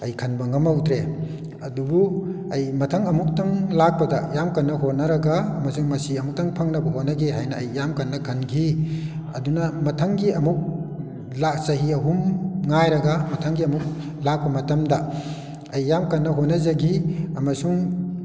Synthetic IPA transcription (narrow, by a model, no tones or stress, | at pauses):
ɐjkʰɐnbɐŋɐmawtɾe | ɐdubu | ɐjmɐtʰɐŋɐmuk̚tɐŋlak̚pɐdɐjamkɐnːɐɦonɐɾɐɡaːmɐsuŋmɐsiɐmuk̚tɐŋpʰɐŋnɐbɐɦonɐɡiɦajnɐːjːamkɐnːɐkʰɐnɡʰi | ɐ̰dunɐmɐtʰɐŋɡiɐmuk̚ | lasɐɦiɐɦumŋajɾɐɡamɐtʰaŋɡiɐmuk̚ | lak̚pɐmɐtɐmdɐ | ɐjːamkɐnːɐɦonɐzɐɡiɐmɐsuŋ